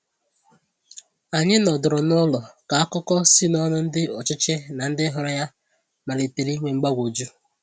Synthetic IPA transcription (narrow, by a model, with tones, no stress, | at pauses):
a˨ɲɪ˦nɔ˨dʊ˨ɾʊ˨nʊ˦lɔ˨ka˨a˦kʊ˦kɔ˦si˦nɔ˦nʊ˦n̩˦dɪ˦ɔ˨t͡ʃɪ˦t͡ʃe˦na˨n̩˦dɪ˦ɦɔ˨ɾɔ˦ja˦ | ma˨le˨te˨ɾi˦ŋʷe˨ŋ͡m̩˨ɡ͡ba˦ɡʷo˨d͡ʒu˦